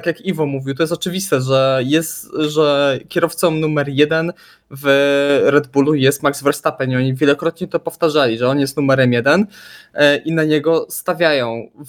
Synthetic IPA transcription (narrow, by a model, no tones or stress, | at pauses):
t̪akʲjakivɔmuvʲiwt̪ɔjɛs̬t̪ɔt͡ʂɘvʲist̪ɛʐɛjɛst̪ʐɛkʲɛɾɔft̪sɔmnumɛɾjɛd̪ɛn | vɾɛd̪bulujɛst̪maɡzvɛɾst̪apɛniɔɲivʲjɛlɔkɾɔt̪ɲɛt̪ɔpɔft̪aʐalʲiʐɛɔnjɛst̪numɛɾɛmjɛd̪ɛn | ʔinaɲɛɡɔst̪avʲjajɔ̃w̃